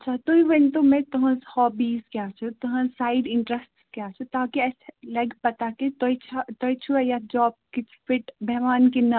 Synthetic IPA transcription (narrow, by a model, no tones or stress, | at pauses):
ɐtːʃʰat̪oiʋə̃nt̪omɛ̃t̪ʊɦãzhɔːbiːzkjaːt͡ʃʰot̪ʊɦãsaːɪɖɪ̃ɳʈɾəsʈskjaːt͡ʃʰot̪aːkiɛːselɐɡpɐt̪aket̪ojt͡ʃʰat̪ɔjt͡ʃʰuɛjad͡ʒɔːb̚kɪt͡ʃʰfɪʈbɛɦʋaːnkina